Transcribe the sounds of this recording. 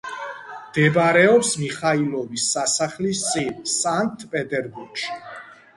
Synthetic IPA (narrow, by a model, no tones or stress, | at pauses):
md̪̥ɛbaɾɛɔpsmiχailɔvisːasaχlist̪sʼinsaŋk̚ʰt̪ʰpʼɛt̪ʼɛɾbuɾɡ̥ʃi̥